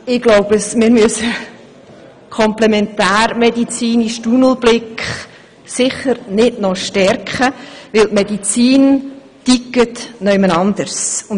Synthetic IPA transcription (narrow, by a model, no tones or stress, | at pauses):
ɪɡ̥loʊb̥əsmɪːɾmysə | kʰɔmplɛmɛntæːɾmɛdit͡siːniʃtunl̩b̥lɪkχ | sɪχəɾnɪdnɔʃtɛrkχəʋɪltmɛdit͡siːn | tikːətnœʏmənɑnd̥̪əɾsʊn